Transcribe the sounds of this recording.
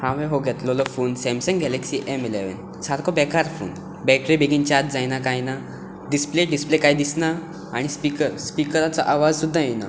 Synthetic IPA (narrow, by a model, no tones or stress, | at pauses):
hãʋeɦoɡɛt̪loləfuːnsɛ̃msə̃ŋɡɛlɛksiʔemileʋə̰n | saɾkʰɔbɛkaɾfṵːn | bɛʈɾibeɡint͡ɕat̪̚d͡zajnakajna | ɖispleɖisplekajd̪isnaː | ɽ̃ispikəɾspikəɾat͡saʔaʋad͡zsud̪ʱːajena̰